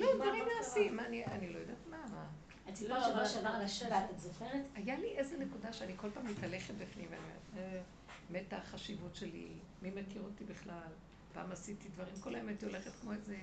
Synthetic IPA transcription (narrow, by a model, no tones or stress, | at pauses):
lodvaʁimaːsimanianilo̞jod̪aːtmama | at̪iavaʃavaʁalaʃeat̪atzoχeʁetajaliʔezenekudaʃeaniko̞lpaːmit̪ale̞χet̚bifnimvea̰niomede | metaχaʃivutʃelḭ | mimakiʁotibeχlal | pa̰ːmasit̪idvɐʁimkolaemat̪iole̞χet̪kmo̞eze